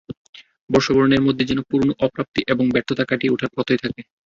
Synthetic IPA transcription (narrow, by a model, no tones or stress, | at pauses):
bɔɾʃoboɾoneɾmod̪ʱːed͡ʑɛnopuɾnoʔɔpɾap̚t̪iʔeboŋbɛɾt̪ʰot̪akaʈiuʈʰaɾkɔt̪ojt̪ʰake